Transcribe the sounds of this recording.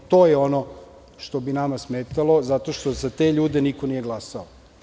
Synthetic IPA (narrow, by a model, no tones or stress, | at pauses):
t̪o̞ːjeo̞no | ʃt̪o̞binamasmeːt̪alo̞zat̪o̞ʃt̪ozat̪eʎuːd̪enikonije̞ɡlˠasao